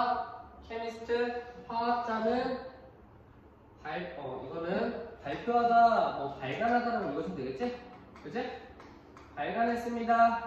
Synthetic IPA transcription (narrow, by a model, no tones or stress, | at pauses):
kʰemisʰɯ̥tʰɯpwaat͡ɕ͈anɯn | paɭʌiɡʌnɯnpaɭpʰjoɦadamwʌpaɭɡanɦadaɾaɡoɡʌɕʰimneɡet̚t͡ɕ͈e | kɯd͡ʑe | paɭɡanɦes͈ɯmɲida